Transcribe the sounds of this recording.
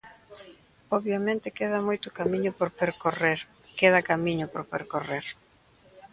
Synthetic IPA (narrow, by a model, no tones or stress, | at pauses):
ɔβjamẽnt̪ɪkeð̞ɐmojt̪ʊkamiɲʊpoɾpeɾkoreɾ | keðɐkamiɲʊpoɾpḛɾkoreɾ